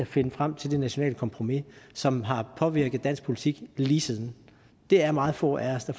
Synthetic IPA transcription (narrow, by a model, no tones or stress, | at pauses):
æfe̝nəfʁam̰t͡sʰe̝ld̥e̝næɕo̝nɛ̰ːləkʰɒ̽mpʰʁo̝misɒ̽mɦɑ̈pʰɒ̽ʋiɐɡ̥əð̩ˠd̥æn̰sɡ̥̚pʰo̝lit͡sʰiɡ̥liːsið̞ˠn̩ | d̥e̝æɐmɑ̈ːð̞̩ˠfɔ̰ːæɐsd̥æ